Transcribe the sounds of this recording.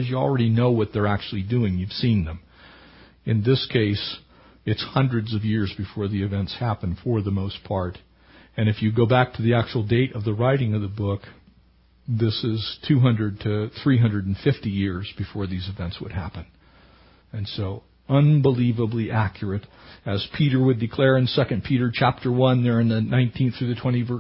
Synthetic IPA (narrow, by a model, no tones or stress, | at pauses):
ɨzjɨl̩ˠɹɛɾinoʊwʌt̪̚ðə˞æk̚t͡ʃʉl̩ˠidʉɪ̃ŋjʉv̥sĩnðə̃m | ɨ̃nðɪskʰeɪs | ɨtshʌ̃ndɹɨdzʌvjɪɹzbɨfɔɹðiɨvɛ̃ntshæpɨ̃nfə˞ðəmoʊspʰɑɹɾ | ɨ̃ñɨfjɨɡoʊbæk̚tʰɨðiæk̚t͡ʃuwl̩ˠdeɪɾʌvðəɹaɪɾɪ̃ŋʌvðəbʊk | ðɪsɪz̥tʰʉɦʌ̃ndɹɨd̚tʰɨθɹiɦʌ̃ndɹɨɾn̩fɪftijɪɹzbɨfɔɹðizɨvɛ̃ntswə̰d̚ɦæ̰pɨ̃n | ɨ̃nsoʊ | ʌ̃nbəlivəbliʔækʰjə˞ɨɾ | ɨz̥pʰiɾə˞wɨdɨkʰl̥ɛɹɨ̃nsɛkɨ̃npʰiɾə˞t͡ʃʰæp̚tʰə˞wʌ̃nðə˞ɨ̃nðɨnãɪ̃ntʰĩnθɹʉðɨtʰw̥ɛ̃ɾ̃ivə˞